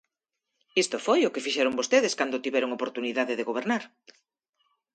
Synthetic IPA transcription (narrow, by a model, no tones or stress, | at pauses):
ist̪ʊfojʊkɪfiʃɛɾʊŋbost̪eðɪskand̪ʊt̪iβɛɾʊŋopoɾt̪uniðaðɪðeɣoβeɾnaɾ